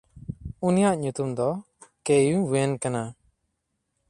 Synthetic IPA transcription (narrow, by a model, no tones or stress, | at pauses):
unijaʔɲut̪umd̪ɔ | kejuwenkana